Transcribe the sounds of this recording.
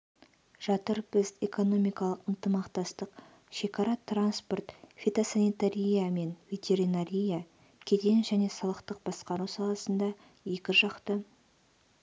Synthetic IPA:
ʒ̥ɑt̪əɾbɪze̞ko̞no̞mijkɑlˠəqənt̪əmɑqt̪ɑst̪əq | ʃe̞kʰɑɾɑt̪ranspo̞rt̪fʲet̪osanijt̪aɾʲijame̞nvʲe̞t̪ʲe̞ɾinaɾʲija | kʲʰe̞t̪enʒæne̞sɑlˠəqt̪əq̚b̥ɑsqɑɾusɑlˠɑsənd̪ɑ | je̞kʲɪʒɑqt̪ə

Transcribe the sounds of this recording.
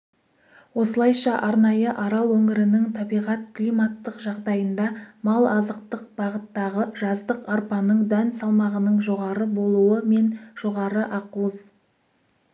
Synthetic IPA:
wo̞səlˠɑjʃɑʔɑɾnɑjəʔɑɾɑlˠwɵŋɪɾɪnɪŋt̪ʰɑbijʁɑt̪̚klimɑt̪ːəqʒɑʁd̪ɑjənd̪ɑmɑlˠɑzəq̚t̪əq̚b̥ɑʁət̪ːɑʁəʒɑzd̪əqɑɾpɑnəɴd̪ænsɑlˠmɑʁənəɴʒo̞ʁɑɾəbo̞lˠuəme̞nʒ̥o̞ʁɑɾəʔɑquəz

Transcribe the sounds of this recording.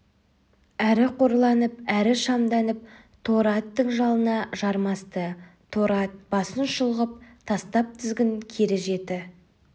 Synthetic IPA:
æɾɪqʰo̞ɾlˠɑnəp̚æɾɪʃɑmd̪ɑnəp̚ | t̪ʰo̞ɾɑt̪ːəɴʒɑlˠənɑʒɑɾmɑst̪ət̪ʰoɾɑt̪̚bɑsənʃəlˠʁəp̚t̪ʰɑst̪ɑp̚t̪ʰʏzɡʲɪŋkʲʰe̞ɾɪʒe̞t̪ɪ

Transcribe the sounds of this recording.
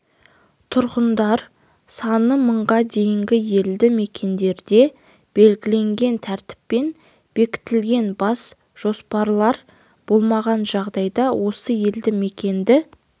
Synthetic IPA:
t̪ʰʊɾʁənd̪ɑɾ | sɑnəməɴʁɑd̪e̞jɪŋɡʲɪje̞ld̪ɪme̞kʲe̞nd̪e̞ɾd̪e̞ | b̥e̞lɡʲɪle̞ŋɡʲe̞nt̪ʰæɾt̪ɪ̥pːe̞n | b̥e̞kʲɪ̥t̪ɪlɡʲe̞nbɑs | ʒ̥o̞spɑɾlˠɑɾ | b̥o̞lˠmɑʁɑnʒɑʁd̪ɑjd̪ɑwʔo̞səje̞ld̪ɪme̞kʲe̞nd̪ɪ

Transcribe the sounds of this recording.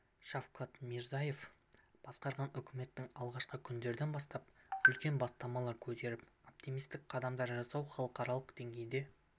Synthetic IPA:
ʃɑfqɑt̪miɾzaje̞fb̥ɑsqɑɾʁɑnʏkʲʰɪme̞t̪ːɪŋɑlˠʁɑʃqəkʲʰʏnd̪e̞ɾd̪e̞nbɑst̪ɑp̚ʏlkʲe̞nbɑst̪ɑmɑlˠɑɾkʲʰɵt̪e̞ɾɪpo̞p̚t̪imijst̪ɪk̚qʰɑd̪ɑmd̪ɑɾʒɑsɑwχɑlˠəqɑɾɑlˠəqd̪e̞ŋɡʲe̞jd̪e̞

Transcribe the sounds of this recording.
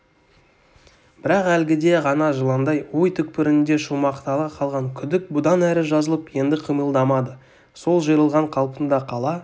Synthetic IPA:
b̥ɪɾɑqælɡʲɪd̪e̞ʁɑnɑʒəlˠɑnd̪ɑjwojt̪ʰʏk̚pɪɾɪnd̪e̞ʃumɑqt̪ɑlˠɑqʰɑlˠʁɑŋkʲʰʏd̪ɪk̚bʊd̪ɑnæɾɪʒɑzəlˠəpje̞nd̪ɪqʰijməlˠd̪ɑmɑd̪ə | so̞lˠʒəjɾəlˠʁɑɴqʰɑlˠpənd̪ɑqʰɑlˠɑ

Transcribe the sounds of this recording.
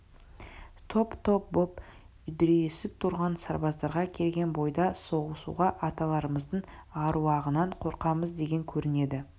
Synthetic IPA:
t̪ʰo̞pt̪ʰo̞p̚bo̞p | ʏd̪ɾeesɪp̚t̪ʰʊɾʁɑnsɑɾbɑzd̪ɑɾʁɑkʲʰe̞lɡʲe̞nbo̞jd̪ɑso̞ʁəsṵʁɑʔɑt̪ɑlˠɑɾəməzd̪əɴɑɾuɑʁənɑɴqʰo̞ɾqɑməzd̪e̞ɡʲe̞ŋkʲʰɵɾɪne̞d̪ɪ

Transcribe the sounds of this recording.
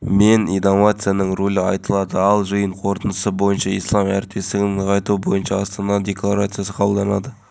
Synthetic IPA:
me̞nijd̪amat̪sɨjanəɴrolʲəɑjt̪əlˠɑd̪əɑlˠʒəjəɴqʰo̞ɾt̪ənəsəbo̞jənʃɑijslˠɑmæ̰ɾɪt̪̚pe̞st̪ɪɡʲɪŋqʰɑjt̪uəbojənʃɑɑst̪ɑnɑd̪ʲe̞klˠaɾat̪sɨjasə̥qʰɑbəlˠd̪ɑnɑd̪ə

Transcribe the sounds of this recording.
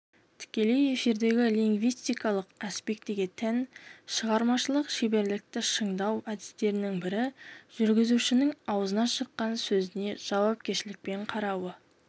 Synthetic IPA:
t̪ʰɪ̥kʲe̞le̞je̞fiɾd̪e̞ɡʲɪliŋɡvijst̪ijkɑlˠəqɑspe̞k̚t̪ːeɡʲet̪ʰænʃəʁɑɾmɑʃəlˠəqʃebe̞ɾlɪk̚t̪ɪʃəɴd̪ɑwæd̪ɪst̪e̞ɾɪnɪŋbɪɾɪʒ̥ʏɾɡʲɪzuʃɪnɪŋɑwəzənɑʃəqːɑnsɵzɪne̞ʒ̥ɑwɑp̚kʲeɾʃɪlɪk̚pe̞ɴqʰɑɾɑwə

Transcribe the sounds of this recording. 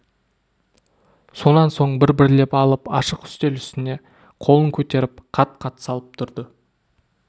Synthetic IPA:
so̞nɑnso̞ɴbɪɾbɪɾɪle̞pɑlˠəpɑ̰ʃəqʏ̥st̪e̞lʏst̪ɪne̞ | qʰo̞lˠəŋkʲʰɵt̪e̞ɾɪp̚qʰɑt̪̚qʰɑt̪ə̥sɑlˠəp̚t̪ʰʊɾd̪ə

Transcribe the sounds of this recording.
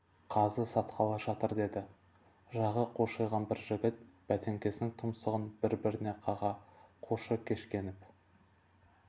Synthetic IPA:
qʰɑzəsɑt̪qɑlˠɑʒɑt̪əɾd̪e̞d̪ɪ | ʒɑʁəqʰoʃɑjʁɑnbɪɾʒɪɡʲɪt̪̚b̥æt̪e̞ŋkʲe̞sɪnɪŋt̪ʰʊmsəʁənbɪɾbɪɾɪne̞qʰɑʁɑqʰoʃəkʲʰe̞ʃkʲe̞nɪp

